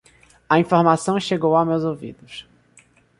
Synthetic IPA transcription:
ɐĩfoɾmasɐ̃w̃ʃeɡowawmewzowvḭd̪ʊs

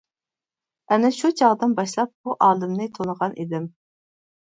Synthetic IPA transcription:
ɛnɪʃut͡ʃʰɑʁd̪ɨnbɑʃlˠɑp̚buʔɑːlˠɨmnɪt̪ʰonəʁɑnʔḭd̪ɪm

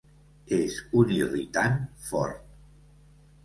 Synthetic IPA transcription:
ezunirḭt̪anfɔ̰ɾt̪̚

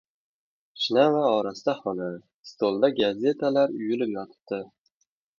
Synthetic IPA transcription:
ʃnavaɒɾast̪aχɒna | st̪ʰolˠd̪aɡazʲe̞t̪ʰalaɾʊjɪlɪpjɒt̪ʰɪ̥p̚t̪ɪ

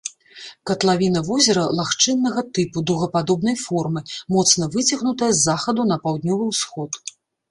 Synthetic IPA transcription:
kɐt̪lˠavʲinɐvɔzʲɐɾɐlˠaxt͡ʂɨnːɐɣɐt̪ɨpud̪ɐwɣɐpad̪ɔbnɐjfɔrmɨmɔt̪snɐvɨt͡sʲɐɣnut̪ɐjɐzːaxɐd̪unɐpawd̪nʲɔvɨwsxɔt̪

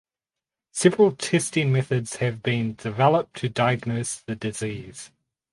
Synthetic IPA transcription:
sɛvɹəlˠtʰɛstɪ̃ŋmɛθədz̥hɨvbĩndɪvɛlˠəp̚tʰədaɪəɡnəsðədɪziːz̥

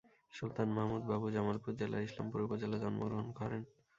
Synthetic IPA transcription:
ʃult̪anmaɦmud̪babud͡ʑamalpuɾd͡ʑela̰ɾiʃla̰mpuɾipod͡ʑelad͡ʑɔnmo̰ɡɾoɦonɡʱɔɾen

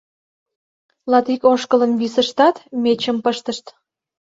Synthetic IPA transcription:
lɑt̪ikoʃkələnβisəʃt̪ɑt̪met͡ɕəmpəʃt̪əʃt̪

